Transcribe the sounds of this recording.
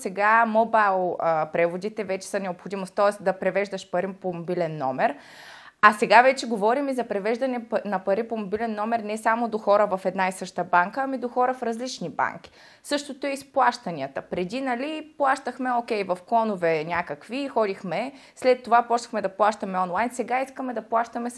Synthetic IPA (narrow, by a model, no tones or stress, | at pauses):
sɛɡamobajlˠəpɾɛvod̪it̪ɛvɛt͡ʃɛ̥sɐnɛopxod̪imost̪ɔɛsd̪ɐpɾɛvɛʒd̪əʃpɐɾipomobilɛnːɔ̰mɛɾ | ɐsɛɡavɛt͡ʃɛɡovɔɾimizɐpɾɛvɛʒd̪ɐnɛnɐpɐɾipomobilɛnːɔmɛɾnɛsamod̪oxɔɾəvɐfɛd̪naisɤʃt̪əbaŋkəːmid̪oxɔɾəfɾɐzlit͡ʃniba̰ŋk̟i̥ | sɤʃt̪ot̪oɛisplˠaʃt̪ɐnʲiət̪əpɾɛd̪inɐliplˠaʃt̪əxmɛokʲɛjvɐfkɔnovɛnʲakəkvixɔd̪ixmɛ | slɛt̪ːovapɔt͡ʃnɐxmɛd̪ɐplˠaʃt̪ɐmɛɔnlˠajnsɛɡaiskəmɛd̪ɐplˠaʃt̪ɐmɛ